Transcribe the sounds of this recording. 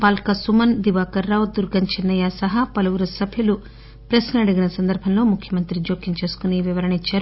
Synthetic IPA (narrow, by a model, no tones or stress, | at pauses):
paːlkɐsumɐnd̪iʋaːkɐɾːaːwd̪uɾɡɐnt͡ʃɐnːɐjaːsɐɦɐpɐlɐʋuɾusɐbʱjɐlu | pɾɐsnɐɽiɡinɐsɐnd̪ɐɾbʱɐnlo̞ːmukʰjɐmɐnt̪ɾid͡ʒoːkjiɲt͡ʃe̞ːsu̥kuniʋiʋɐɾɐɳit͡ʃːaːɾu